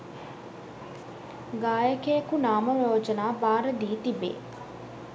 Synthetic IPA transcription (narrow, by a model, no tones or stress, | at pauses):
ɡaːjəkejəkunaːməɾoːd͡ʒənaːbaːɾəd̪iːt̪ibḛː